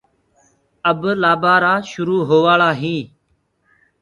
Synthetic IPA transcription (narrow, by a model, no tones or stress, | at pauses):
əblaːbaːɾaːʃʊɾuːɦoːʋaːɭaːɦĩː